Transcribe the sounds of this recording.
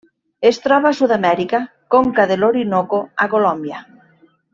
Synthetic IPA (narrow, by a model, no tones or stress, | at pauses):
est̪ɾɔβasuðamɛɾika | koŋkaðeloɾinokoakolombja